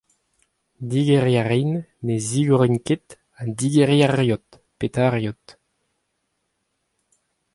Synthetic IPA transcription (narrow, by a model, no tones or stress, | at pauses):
d̪iɡeʁiaʁinːeziɡɔʁinket̪ | ad̪iɡeʁjaʁjot̪ | pet̪aʁjot̪